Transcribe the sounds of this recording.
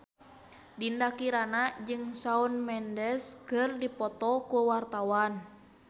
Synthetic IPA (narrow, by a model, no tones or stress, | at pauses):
dindakiɾanad͡ʒɨŋsaunmɛndɛskɨrdipɔt̪ɔkuwart̪awan